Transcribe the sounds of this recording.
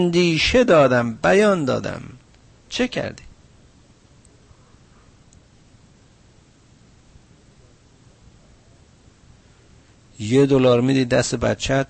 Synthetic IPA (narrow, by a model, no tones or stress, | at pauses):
nd̪iːʃed̪ɒːd̪æmbæjɒːnd̪ɒ̰ːd̪æ̰m | t͡ʃʰecʰæ̰ɾd̪i | jed̪olɒːɾmid̪iːd̪æst̪ebæ̰t̪t͡ʃʰæt̪